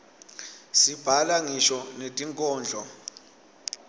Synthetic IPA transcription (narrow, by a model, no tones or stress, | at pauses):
sib̥ʱalaŋiʃɔnetʼiŋkʼɔːnd͡ɮʱɔ